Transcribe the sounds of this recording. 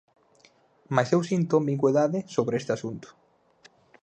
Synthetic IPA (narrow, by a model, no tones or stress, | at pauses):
masewsint̪omiɣweðaðɪsoβɾest̪ɪasunt̪ʊ̥